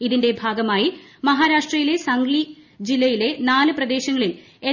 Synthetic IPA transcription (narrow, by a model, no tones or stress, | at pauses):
iðinde̞bʱaːɡɐmaːjimɐɦaːɾaːʂʈrɐjile̞sɐŋɡlid͡ʑilːɐjile̞naːlɨprɐd̪e̞ːɕɐŋːɐɭil | e